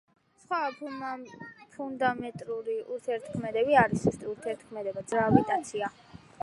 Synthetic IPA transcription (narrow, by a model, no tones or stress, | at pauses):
sχwa | pʰund̪amɛt̪ʼɾuɾiuɾt̪ʰɛɾt̪ʰkʰmɛd̪ɛbiaɾisɛst̪ʼiuɾt̪ʰɛɾt̪ʰkʰmɛd̪ɛbad̪zɾabit̪ʼant̪sʰia